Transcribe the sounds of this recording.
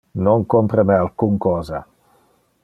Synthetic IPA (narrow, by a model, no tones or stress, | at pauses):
noŋkompɾəmɛalkuŋkɔːza̰